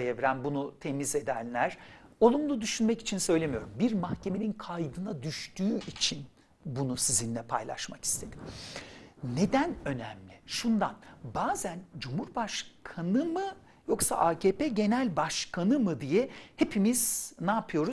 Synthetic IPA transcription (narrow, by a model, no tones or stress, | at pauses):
jevɾænbunut̪ʰe̞mize̞d̪ænlʲæɾ̥o̞lˠumlˠud̪yʃynmɛci̥t͡ʃʰinsø̞jlʲe̞mijo̞̰ɾumbiɾmahcʰe̞me̞ninkʰajd̪ɯnad̪yʃt̪ʰyːit͡ʃʰin | bunusizinlʲɛpʰa̰jlˠa̰ʃmaki̥st̪ʰe̞d̪̥im | ne̞d̪ænø̞næmlʲiʃund̪anbaːzænd͡ʒumhuɾbaʃkʰanɯmɯ | jo̞ksa̰ʔaːcʰeːpeɟe̞nælʲbaʃkʰanɯmɯd̪ijɛhe̞pʰimiz̥naːpʰɯjo̞ɾu